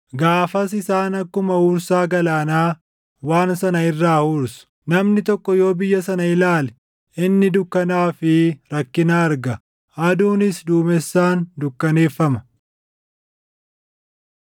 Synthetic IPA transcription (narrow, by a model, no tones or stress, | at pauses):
ɡaːfɐsɪsaːnɐkːʊmɐuːɾsaːɡɐlaːnaː | waːnsɐnɐɪrːaːhuːɾsʊ̥nɐmnɪt̪ɔkːɔjo̞ːbɪjːɐsɐnɐɪlaːlɛ | ɪnːɪd̪ʊkːɐnaːfɪɾɐkːɪnaːɐɾɡɐ | ɐd̪uːnɪsd̪uːmɛsːaːnd̪ʊkːɐne̞ːfːɐmɐ̥